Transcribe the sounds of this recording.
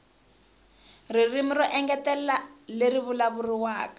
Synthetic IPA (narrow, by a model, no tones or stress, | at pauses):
ririmirɔʔɛŋɡɛtɛlaleɾiβulaβuriwaːkḁ